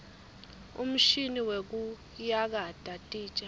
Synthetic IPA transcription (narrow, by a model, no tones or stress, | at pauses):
ṵm̩ʃiniwek̬u | jak̬ad̥ʼatʼiːt͡ʃʼa